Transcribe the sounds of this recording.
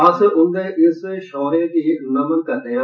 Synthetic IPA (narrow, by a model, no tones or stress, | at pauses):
ɐsʔʊnd̪eːʔɪsʃɔːɾeːd̪iːnɐmənkɐɾd̪eː